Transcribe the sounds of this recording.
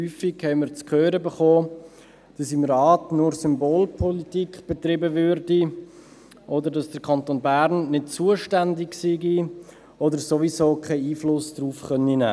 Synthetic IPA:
hyːfɪkhɛɪməɾt͡skʰøːɾəbeχoː | d̥ɑsɪmrɑːtnʊɾsʏmboːlpʰɔlitikb̥ɛt̪ɾɪbəvʏɾdi | ʔɔdəɾdɑsd̥əɾkʰɑnt̪oːnbæɾnːɪt̚t͡suəʃtændɪksiɡi | ɔdəɾsoʋisoːkʰaɪiːflʊsd̥ɾuːfχœninæ̰ː

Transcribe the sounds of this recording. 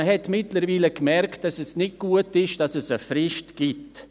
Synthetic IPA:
hɛtmɪtləɾviːləkmɛɾkt̚d̥ɑsɛsnɪt̚ɡ̥uətɪʃd̥ɑsɛsəfɾɪʃtɡ̥ɪt

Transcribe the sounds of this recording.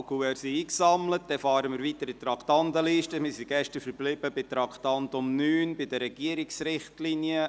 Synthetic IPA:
kuɛɾsiiːksɑmlət̚d̥̪ɛfɑːɾəmɪːɾʋit̪əɾɪt̪ɾɑktɑnd̪əliʃtəmɪːsiɡ̥ɛʃtəɾfəɾblɪb̥əbɪt̪ɾɑktɑnt̪ʊmnyːnbɪdəɾɛɡ̥iəɾiksɾɪχtlinjə

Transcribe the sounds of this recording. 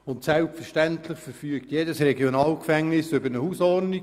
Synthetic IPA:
ʊntsɛlpfərʃtæntləχfəɾfyəktjeːdəsɾɛɡjɔnɑːlkfæŋnɪsʏbəɾnəhusɔrdni

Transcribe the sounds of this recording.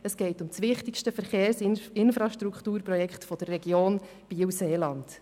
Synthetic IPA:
əsɡ̥ɛɪtʊmsʋɪχtɪkʃtəfəɾχeːɾsɪɪnfɾɑʃtɾukχtuːɾpɾɔjɛkχtfɔd̥̪ərːɛɡjoːn | b̥iːwseːlɑnd̥

